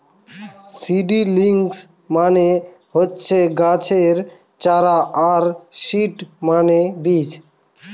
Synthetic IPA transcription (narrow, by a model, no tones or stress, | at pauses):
siɖiliŋs | mane | ɦotːt͡ʃʰeɡat͡ɕʰeɾ | t͡ʃaɾaaɾʃiʈmanebit͡ɕ